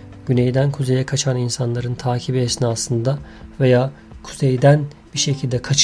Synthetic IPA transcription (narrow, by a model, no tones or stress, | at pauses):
ɟ̥ynejd̪ænkʰuze̞jɛkʰat͡ʃʰaninsanlˠaɾɯnt̪ʰaːcʰibiɛsnaːsɯnd̪a | ve̞jaː | kʰu̥z̥ejd̪æn | b̥iɾʃe̞cʰilʲd̪ɛkʰat͡ʃ